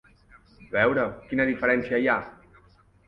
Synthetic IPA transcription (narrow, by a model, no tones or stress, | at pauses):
βɛwɾəkinəðifəɾɛnsiəja